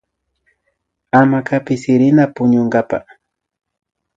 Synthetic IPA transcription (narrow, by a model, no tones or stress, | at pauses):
amakapɪsɪɾɪnapʊɲʊŋɡapa̰